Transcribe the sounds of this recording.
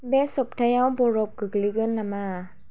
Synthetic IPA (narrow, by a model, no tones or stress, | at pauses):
bɛsop̚t̪ʰajawboɾop̚kɯkliɡɯnːamaː